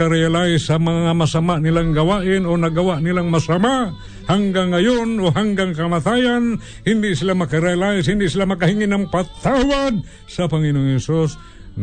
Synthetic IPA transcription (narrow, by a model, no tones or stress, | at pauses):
aɾajalaɪsɐmɐŋamasamaʔnɪlaŋɡawaʔɪnonɐɡawaʔnɪlaŋmasamaʔ | haŋɡaŋːajonoɦaŋɡaŋkamat̪ajan | hɪnd̪ɪʔsɪlamɐkaɾajalaɪshɪnd̪ɪʔsɪlamɐkahiŋɪnɐŋpat̪awad̪̚ | sɐpɐŋɪnooŋhɛsus | n